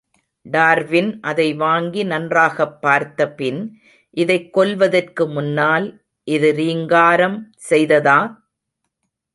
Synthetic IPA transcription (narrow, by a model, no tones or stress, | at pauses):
ɖaːɾʋɪnʔɐðɐɪʋaːŋɡinɐndraːɣɐpːaːɾt̪ːɐpɪn | ʔɪðɐɪkːɔlʋɐðɐrkɯmʊnːaːl | ʔɪðɯɾiːŋɡaːɾɐm | sɛjðɐðaː